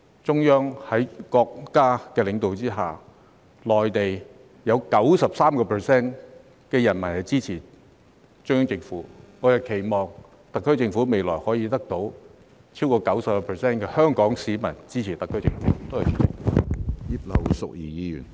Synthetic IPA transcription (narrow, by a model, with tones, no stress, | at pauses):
t͡sʊ˥ŋjœː˥ŋhɐ˨˥jkɔː˧k̚ːaː˥kɛː˧lɪ˨˧ŋt̪o˨wt͡siː˥ɦaː˨˩ | lɔː˨˩jt̪e˨j | jɐ˨˧wkɐ˨˥wsɐ˨p̚saː˥mkɔː˧pʰɛ˨sɛː˥n | kɛː˧jɐ˨˩nmɐ˨˩nhɐ˨˩jt͡siː˥t͡sʰiː˨˩ | t͡ʃːŋjœː˥ŋt͡sɪ˧ŋfuː˨˥ŋɔː˨˧jɐ˨wkʰe˨˩jmɔː˨ŋ | t̪ɐ˨kʰːɵ˥t͡sɪ˧ŋfu˨˥me˨jlɔː˨˩jhɔː˨˥jiː˧t̪ɐ˥k̚t̪o˨˥w | t͡sʰiː˥wkɔː˧kɐ˨˥wsɐ˨pkɔ˧pʰɛː˨˩sɛː˥nkɛː˧hœː˥ŋkɔː˨˥ŋsiː˨˧mɐ˨˩nt͡siː˥t͡sʰiː˨˩t̪ɐ˨kʰːɵ˥ɥt͡sɪ̰˧ŋfṵː˨˧˥t̪o˥whɐ˨˩y˨˩t͡sɪ̰˨˩ŋ̚u˨˥jiː˧˩t̚lɐ̰˨˩wsʊ̰˨k̚jiː˨˩jiː˨˧jy̰ː˨˩n